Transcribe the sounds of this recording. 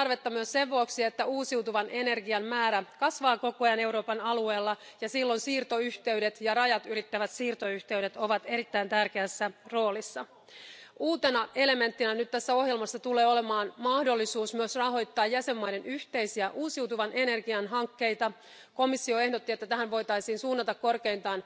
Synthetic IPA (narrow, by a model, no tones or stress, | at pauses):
ɑrʋe̞t̪ːɑmyøsse̞ʋʋuoksie̞t̪ːæuːsiwt̪uʋɑnʔene̞rɡiɑmmæːɾækɑsʋɑːko̞kojɑne̞wɾo̞ːpɑnɑlue̞ːlːɑjɑsilːo̞nsiːrt̪o̞yçt̪e̞ɥdet̪jɑrɑjɑt̪yɾit̪ːæʋæt̪siːrt̪o̞yht̪e̞yɾet̪o̞ʋɑt̪e̞ɾit̪ːæint̪ærkeæsːæro̞ːlisːɑ | uːt̪e̞nɑʔe̞le̞me̞nt̪ːinænyt̪t̪æsːæo̞ɦjelmɑsːɑt̪ule̞ːo̞lemɑːnmɑhdo̞lːisuːsmyøsrɑɦo̞jt̪ːɑːjjæse̞mːɑjde̞nyçt̪e̞jsiæʔuːsiwt̪uʋɑnʔene̞rɡiɑnɦɑŋkːe̞jt̪ɑ | ko̞misːio̞e̞hdot̪ːie̞t̪ːæt̪æhænʋo̞jt̪ɑjsiːnsuːnːɑt̪ɑkko̞rke̞int̪ɑːn